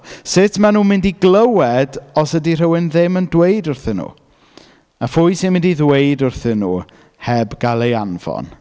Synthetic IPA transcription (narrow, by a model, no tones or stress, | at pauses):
sɪtʰmanuːmɪndiɡlˠəwɛdɔsədir̥əwɪnðɪməndweɨdʊrθɨnːṵː | afʊjsɪnmɪndiðwejdʊrθɨnːuː | hɛbɡalˠejanv̥ɔ̰n